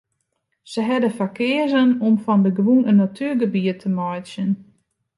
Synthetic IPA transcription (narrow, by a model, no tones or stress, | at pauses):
səɦɛdəfakɪəzənɔmfɔndəɡʋunənːatʰyːɡəbiətʰəmɔjsjən